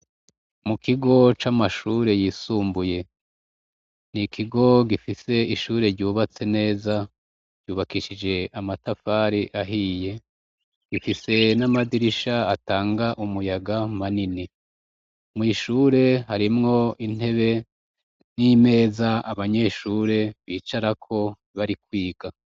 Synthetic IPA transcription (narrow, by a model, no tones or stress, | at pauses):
mukʰiɡo̞t͡ʃamaʃuːɾe̞jisuːmbuje̞ | nikʰiɡo̞ɡifise̞iʃuːɾe̞ɾɟuːβat͡se̞ne̞ːza | ɾɟ̥uːβakiʃid͡ʒe̞ʔamatafaɾiʔaɦiːje̞ | ɡ̥ifise̞namadiɾiʃaataːŋɡaʔumujaɡamanini | miʃuːɾe̞haɾimŋo̞in̥e̞βe̞ | nime̞ːzaaβaɲe̞ːʃuːɾe̞βiːt͡ʃaɾakʰo̞ | βaɾikwiːɡ̥a